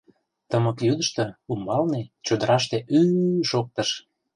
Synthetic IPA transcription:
t̪əməkjyd̪əʃt̪ɤumbɑlnet͡ɕod̪əɾɑʃt̪eʔyʃok̚t̪əʃ

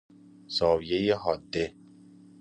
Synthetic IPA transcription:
sɒːvijejeɦɒːd̪ːe

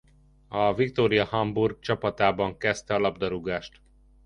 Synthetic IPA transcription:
ɒvikt̪oːɾijɒhɒmburɡ̚t͡ʃɒpɒt̪aːbɒŋkɛst̪ɛɒlɒbd̪ɒɾuɡaːʃt̪

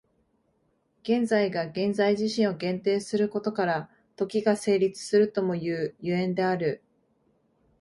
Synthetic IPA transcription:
ɡ̥ẽ̞nd͡zaiɡaɡẽ̞nd͡zaiʑiɕĩɰ̃o̞ɡẽ̞nt̪e̞ːsɨɾɯ̟ko̞t̪o̞kaɾa | t̪o̞kʲiɡase̞ːɾʲit͡sɨ̥sɨɾɯ̟t̪o̞mo̞jɯːjɯ̟ẽ̞nd̪e̞aɾɯ̟

